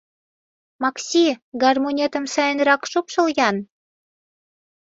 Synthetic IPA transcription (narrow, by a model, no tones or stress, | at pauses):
mɑksʲiɡɑrmonʲet̪ə̆msɑjənrɑkʃopʃɤ̆ljɑn